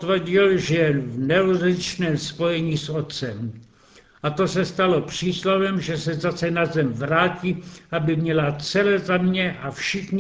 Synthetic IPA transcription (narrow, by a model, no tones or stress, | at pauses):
t̪vr̩ɟɪlʒɛjɛvnɛurɪt͡ʃnɛːmspo̞jɛɲiːsot̪t͡sɛm | ʔat̪o̞sɛst̪alo̞pr̥iːslavɛmʒɛsɛzasɛnazɛmvɾaːciːʔabɪmɲɛlat͡sɛlɛzamɲɛʔafʃɪxɲ